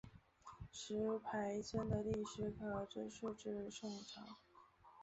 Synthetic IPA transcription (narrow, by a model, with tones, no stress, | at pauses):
ʂɻ̩˧˥pʰa˧˥ɪt͡sʰə˥nd̪ə˨li˥˩ʂɻ̩˧˥kʰɤ˧˩ʈ͡ʂ̩˥ʂu˥˧ʈ͡ʂɻ̩˥˧ʂʊ˥˩ŋʈ͡ʂʰɑ̰˧˥˦ŋ